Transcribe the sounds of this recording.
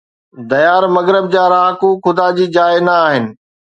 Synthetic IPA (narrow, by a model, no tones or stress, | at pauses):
d̪ɐjaːɾmɐɣɾɪb̚d͡ʑaːɾaːɦkuxʊd̪aːd͡ʑiːd͡ʑaːɪnɐːɦɪnɪ̆